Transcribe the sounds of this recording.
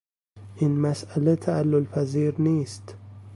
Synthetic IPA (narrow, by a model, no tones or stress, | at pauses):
ʔɪnmasʔalat̪ʰaʔalːʊlfaziːɾniːst̪